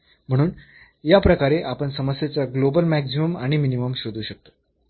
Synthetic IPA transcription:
m̤əɽ̃uːn | japɾəkaɾeʔapəɳsəməsjat͡saɡlobəlmæksiməmaɽ̃iminiməmɕod̪ʱuːɕək̚t̪o̥

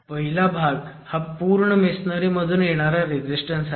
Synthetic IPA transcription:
pəɦilabʱaɡ | hapuːɾɳəmesnəɾiməd̪ʱuːnjeɽ̃aɾjaɾed͡ʑisʈə̃nsa

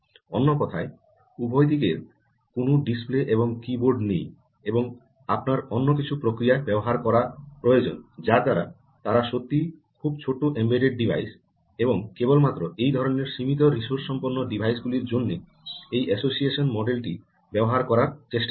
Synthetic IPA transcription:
ɔnːokɔt̪ʰae | ubʱɔjt̪̬ikeɾ | konoɖispleʔeboŋkiboɾɖnḛj | eboŋ | apnaɾɔnːok̬it͡ɕʰupɾokɾijabɛboɦaɾkɔɾapɾojod͡ʑo̰nd͡ʑad̪aɾa̰ | t̪aɾaʃot̪ːikʰub̚t͡ɕʰoʈoʔembeɖeɖ̚ɖibʱa̰js | eboŋkebolmat̪ːɾoʔejd̪ʱɔɾoneɾʃimit̪̬oɾiʃoɾsɔmpoɾnːoɖibʱajsɡuliɾd͡ʑonːe | ejʔɛsosieʃonmɔɖelʈi | bɛboɦaɾkɔɾaɾt͡ɕeʃʈa

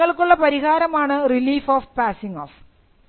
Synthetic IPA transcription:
ɐɭkuɭːɐpɐɾiɣaːɾɐmaːɳɨriliːfoːfpaːsiŋoːf

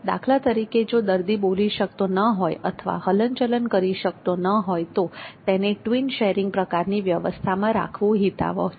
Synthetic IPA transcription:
d̪a̰kʰlat̪əɾiked͡ʒod̪əɾd̪iboliʃək̚t̪onəɦojə̰t̪ʰəʋa̰hələɲt͡ʃələnkəɾiʃək̚t̪onəɦojt̪ot̪ɛneʈʋinʃeɾiŋɡ̚pɾəkaɾniʋjəʋə̰st̪ʰamãɾa̰kʰʋũɦit̪a̰ʋo̰

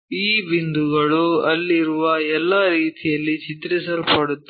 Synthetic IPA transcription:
iːbind̪uɡɐɭuɐlːiɾuʋɐɛlːaɾiːt̪ʰijɐlːit͡ʃit̪ɾɛsɐlpɐɽut̪ː

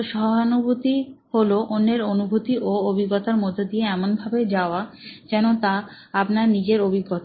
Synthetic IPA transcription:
ʃɔɦanubʱut̪iholoʔonːeɾonubʱut̪iʔoobʱiɡːot̪aɾmod̪ʱːod̪ieɛmonbʱabed͡ʑaoad͡ʑɛnot̪a | apnaɾnid͡ʑeɾobʱiɡːot̪

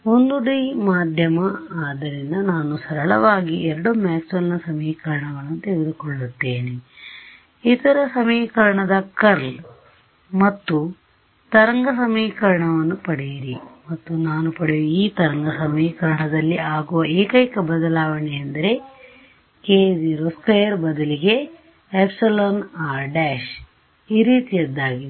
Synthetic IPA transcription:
ond̪uɽimaːd̪ʱjɐmɐaːd̪ɐɾind̪ɐnaːnusɐɾɐɭɐ̰ʋaːɡiɛɾɐɽumaːksɐlnɐsɐmiːkɐɾɐɳɐʋɐnːut̪eɡed̪ukoɭːut̪ːeːne | it̪ɐɾɐsɐmiːkɐɾɐɳɐd̪ɐkɐɾl | mɐt̪ːu | t̪ɐɾɐŋɡɐsɐmiːkɐɾɐɳɐʋɐnːupɐɽejiɾimɐt̪ːunaːnupɐɽeʋuiːt̪ɐɾɐŋɡɐsɐmiːkɐɾɐɳɐd̪ɐlːiaːɡuʋɐeːkɐjkɐbɐd̪ɐlaːʋɐɳeɐnd̪ɐɾe̞ | keːd͡ʒiːɾoskʋejɐɾbɐd̪ɐliɡe̞ | epsɐloːnaːɾɖaːʃ | iːɾiːt̪ijɐd̪ːaːɡi

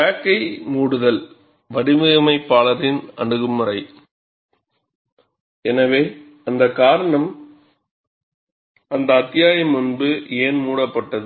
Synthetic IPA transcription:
aːkːɐɪmuːɽɯðɐl | ʋɐɽɪmɯɣɐmɐɪpːaːlɐɾɪnɐ̰ɳɯɣɯmːɯɾɐɪ | ɛnɐʋeː | ɐnd̪ɐkaːɾɐɳɐm | ɐnd̪ɐːt̪ːɪjaːjɐmːʊnbɯeːnmuːɽɐpːɐʈːɐðɯ

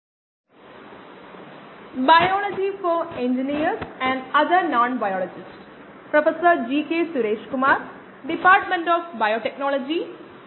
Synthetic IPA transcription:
baɪɔːlɔd͡ʒifɔɾẽɲd͡ʒiniəɾzɛ̃ɳɖɐd̪əɾnɔ̃ːnbajɔːlɔd͡ʒɪs | pɾɐfəsəɾd͡ʒiːkeːsʊɾeːʃkʊmaːɾ | ɖɪpaːɾʈmẽɳʈɔːfbaɪoːʈeknɔːlɔd͡ʒi

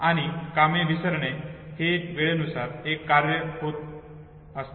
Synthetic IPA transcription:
aɽ̃ikamẽʋisəɾɳeheʋeɭenusaɾekːaɾjəɦot̪̚ | əst̪

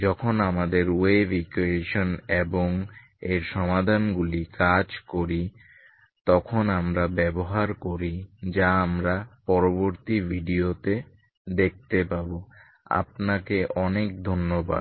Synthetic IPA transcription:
d͡ʑɔkʰonamad̪eɾebikueʃoneboŋ | eɾʃɔmad̪ʱanɡulikad͡ʑkoɾi | t̪ɔkʰonamɾabɛboɦaɾkoɾid͡ʑaamɾapɔɾoboɾt̪ibʱiɖiot̪e | d̪ek̚t̪epabo | a̰pnakeʔɔnek̚d̪ʱonːoba̰d̪

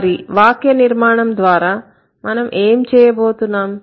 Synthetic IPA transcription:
ɾiʋaːkjɐniɾmaːɳɐmd̪ʋaːɾaː | mɐnɐmʔeːmt͡ʃɛːjɐboːt̪unːaːm

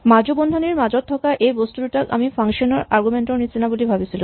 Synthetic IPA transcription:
mad͡ʑobond̪ʱaneɾmad͡ʑot̪ʰːɔkaʔejbost̪uɾuʈaka̰mifʰaŋʃonoɾaɾɡumeɳʈoɾnit͡ɕinabulibʱabesʰilu

